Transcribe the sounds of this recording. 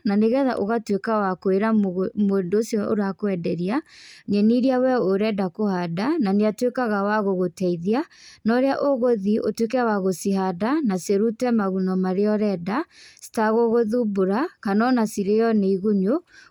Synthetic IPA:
naneɣɛða̰ʔoɣatwekawakoeɾamoːndoːsjɔʔoɾakoɛdɛɾiaɲɛniɾiawɛoɾɛdakohadananeatwekaɣawaɣoɣotɛiðianɔɾeaʔoɣoðiʔo̰twek̬ɛwaɣosiɦadanaseɾutɛmaɣunɔmaɾeɔɾɛdasi̥taɣoɣoðuboɾakanɔnasiɾejɔneiɣuɲo

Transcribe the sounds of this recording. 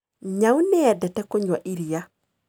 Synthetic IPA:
ɲawnɛadɛtɛkoɲwaʔiɾija

